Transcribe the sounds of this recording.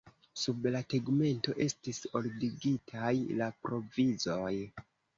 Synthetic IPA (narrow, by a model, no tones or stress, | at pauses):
sublateɡme̞nto̞ʔe̞stiso̞ldiɡitʰajlapɾo̞vizo̞j